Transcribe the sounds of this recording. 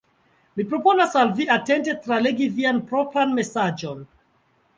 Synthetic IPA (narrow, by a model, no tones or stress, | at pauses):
mipɾo̞po̞nasalviate̞nte̞tɾaleɡivianpɾo̞pɾanme̞sad͡ʒo̞n